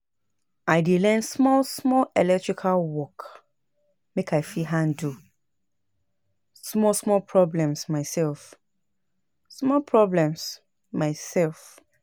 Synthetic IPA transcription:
aɪdelɛ̃nsmɔlsmɔlɛlɛk̚tɹ̥ikʰalwɔk | mekʰaɪfiɦãndu | smɔlsmɔlpʰɹɔblɛ̃msmaɪsɛlf | smɔlpʰɹɔblɛ̃ms | maɪsɛlf

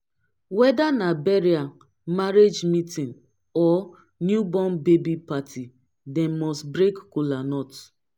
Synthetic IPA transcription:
wɛdanabeɾia | maɾed͡ʒmitĩn | ɔ | njubɔmbebipatʰi | demɔstbɾekkulanɔt

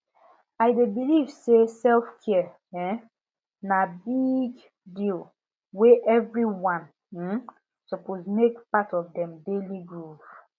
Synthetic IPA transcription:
aɪdebilivsesɛlfkʰiɛ | ɛ | nabiɡ | dil | weʔɛvɹiwãn̩ | sɔpozmekpatɔvdɛ̃mdeliɡɹuv

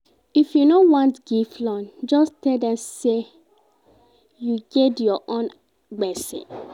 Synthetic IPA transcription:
ifjunowɔ̃ntɡ̥iflɔ̃nd͡ʒɔstɛldɛ̃mse | juɡɛtjɔʔõn | ɡ͡bɛsḭ̃n

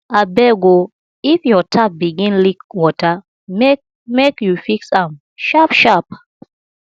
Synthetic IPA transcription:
abɛɡo | ifjɔtʰap̚biɡĩnlikwɔta | mek | mekjufiksãm | ʃapʃap̚

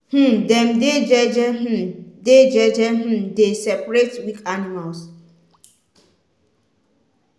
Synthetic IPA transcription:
h̩dɛ̃mded͡ʒɛd͡ʒɛɦ̩ded͡ʒɛd͡ʒɛɦ̩desɛpɹetwikʰanimals

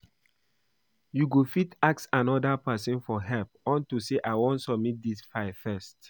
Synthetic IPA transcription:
juɡofitaksãnɔdapɛsə̃nfɔɦɛlpɔ̃ntuseʔaɪwɔ̃ntsɔb̚mit̚disfaɪfɛst

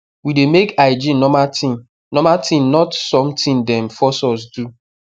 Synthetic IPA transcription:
widemekaɪd͡ʒinɔmatĩ | nɔmatʰĩnnɔtsɔ̃mtĩndɛ̃nfɔsɔs̬du

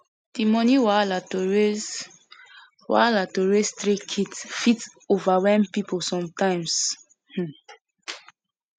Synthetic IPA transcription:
d̥imɔniwalatoɹe | wa̰latoɹestɾikʰidsfitovawɛ̃mpiposɔ̃mtãɪ̃ms | h̩

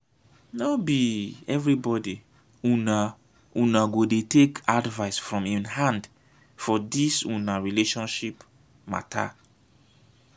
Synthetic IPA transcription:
nobiɛvɹibɔdi | una | unaɡodetekʰadvaɪsfɹɔ̃mĩnhãnd | fɔdisunaɹileʃɔ̃nʃip | ma̰tʰa̰

